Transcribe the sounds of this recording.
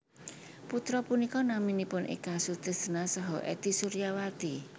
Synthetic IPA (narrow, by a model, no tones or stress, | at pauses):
put̪ɾɔpunikɔnaminipʊnʔḛkasud̪̥ə̤sənasɔɦɔʔɛ̰t̪isuɾijawat̪i